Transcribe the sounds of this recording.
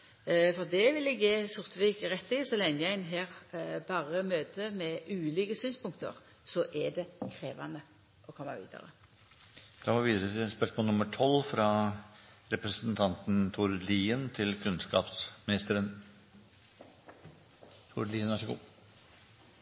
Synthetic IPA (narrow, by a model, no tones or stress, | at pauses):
fɔʁd̪ɛʋɪlɛɡjeːsʊʁt̪ʋiːkʁɛt̪ːɪsɔlɛŋəjæɪnɦeːʁbɑːʁəmøːt̪əmɛʔʉːliːkəsyːnspʊŋk̚t̪ə̰ʁ | sɔʔɛɖ̪ɛkʰɾeːʋɑ̰nə | ʔɔkʰɔmːɑ̰ʋḭːd̪ə̰ʁə̰ | d̪̥ɑːmɔːʋʋiːd̪əɾət̪ɪspœʂmɔːlnʊməʈʰɔlfɾɑ | ɾɛpɾəsənt̪ʰɑnt̪n̩t̪ʰʊɾliːənt̪ʰɪlkʰʉnskɑ̰ːpsmɪnɪst̪əɾən | t̪ʰʊɾliːənæʂəɡṵː